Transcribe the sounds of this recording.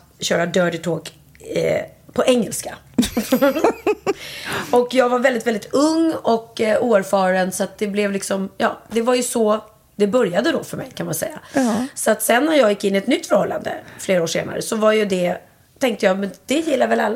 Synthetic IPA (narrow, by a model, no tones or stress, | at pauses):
ɕœːɾad̪œːɖɪt̪ʰoːkː | pʰɔʔɛŋːɛlska | ɔkjɑːɡvaɾvɛld̪ɪt̪vɛld̪ɪt̪ɵŋːɔkuːæɾfɑːɾənsɔat̪̚d̪ɛblɛvlɪksɔmjɑ̰ːd̪ɛvaɾjɵsɔ | d̪ɛbœɾjad̪əd̪ɔfœɾmɛ̰jkʰanmansɛ̰jːa̰sɔat̪sɛnːæɾjɑːɡjɪkːɪnːɪɛt̪nʏt̪ːfœɾhɔlːa̰nd̪ə̰fleːɾaoːʂḛːna̰ɾə̰sɔvaɾjɵd̪ɛ | t̪ʰɛŋkt̪əjɑːmɛnd̪̥ɛjɪlːavɛlalːa